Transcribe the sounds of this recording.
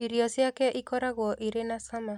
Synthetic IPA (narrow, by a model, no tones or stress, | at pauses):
iɾiɔsiakɛʔikɔɾaɣwɔʔiɾenasama